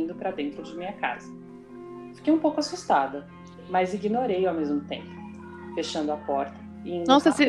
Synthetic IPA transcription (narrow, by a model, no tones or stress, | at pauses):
nd̪ʊpɾɐd̪ẽnt̪ɾʊd͡ʒɪmĩɲɐka̰zɐ | fi̥kejũpowkʊasust̪ad̪ɐ | mɐziɡinoɾejawmezmʊt̪ẽmpʊ | feʃɐ̃nd̪ʊapɔɾt̪ɐ | ɪĩnesi